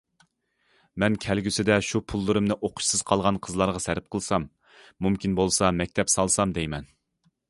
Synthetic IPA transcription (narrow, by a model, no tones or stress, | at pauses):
mɛnkʲʰɛlɡʲysɪd̪ɛʃupʰulˠːɨɾɨmnɪʔoqʰʊ̥ʃsɨz̥qʰɑlˠʁɑnqʰəzlˠɑɾʁɑsæɾɪp̚qʰəlˠsɑmː | umkʲinbolˠsɑmɛk̚ʲt̪ʰɛpsɑlˠsɑmd̪ɛjmɛn